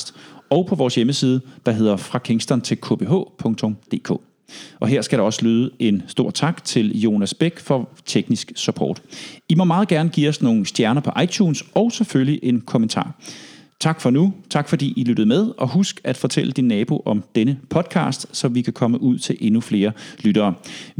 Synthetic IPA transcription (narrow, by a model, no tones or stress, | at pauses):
sd̥ɒʊpʰɒ̽ʋɒːsjeməsiːð̞ˠəd̥ɑ̈ɦe̝ð̞̰ˠɐfʁɑ̈kʰeŋsd̥ɐnt͡sʰe̝lkʰo̰b̥e̝ɦɔ̰̽ːpʰɔ̽ŋt͡sʰɔ̽md̥e̝̰ːkʰɔ̰̽ː | ʔɒ̽ɦe̝ɐ̰sɡ̥æɾɑ̈ɒ̽sə̥lyːð̞ˠəe̝nsd̥o̝ɐ̰̥t͡sʰɑ̈ɡ̥t͡sʰe̝ljo̝ːnæsb̥eɡ̥fɒ̽t͡sʰeɡ̥nisɡ̥sypʰɒ̰ːd̥imɒ̽mɑ̈ːð̩ˠɡ̥æɐnəɡ̥ḭːɒ̽sno̝ːn̩sd̥jæɐnɐpʰɒ̽ʔɑ̈ɪt͡ɕʰuːnsɒ̽ʊseføljiʔe̝nkʰo̽mənt͡sʰɑ̰̈ːt͡sʰɑ̈ɡ̥fɒ̽nut͡sʰɑ̈ɡ̥fɒ̽d̥ḭːilyɾ̥ð̞̩ˠmeð̞ˠʔɒ̽ɦusɡ̥æd̥fɒ̽t͡sʰel̰əd̥inːɛːb̥o̝ʔɒ̽md̥enəpʰɒ̽d̥kʰɑ̰̈ːsd̥sɒ̽ʋikʰækʰɒ̽məʔuð̞̰ˠt͡sʰe̝lʔe̝nufle̝ːɐlyɾ̥ɐː